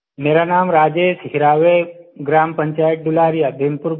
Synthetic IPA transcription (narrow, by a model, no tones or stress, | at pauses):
meːɾanaːmɾaːd͡ʒeːʃɦiɾaːʋeɡɾaːmpəɲt͡ʃaːjʈ̚ɖulaːɾijad̪ʱempuɾ